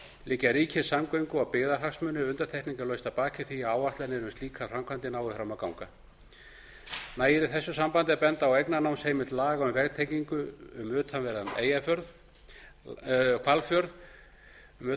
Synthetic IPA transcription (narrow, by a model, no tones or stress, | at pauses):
lɪcːaɾiːcʰɪsamkœɥŋkʏawpɪɣðaɾ̥ɦaksmʏnʏʏnt̪aɾ̥t̪ʰɛhkt̪niŋkalœɥst̪apaːcɪθiaaːwaht̪lɛɾnɪɾʏmst̪liːkʰafrɾamkʰvant̪ɪnaːwɪfɾaːmakawŋka | naːjɪɾɪθɛsːʏsampant̪ɪɛɾpɛnt̪aawejknanaːwnsheːjmɪt̪laːɣaʏmvɛɣt̪ʰeːjciŋkʏʏmʏːt̪ʰanvɛɾðamḛːjafjœɾð | kʰvalfjœɾð | mː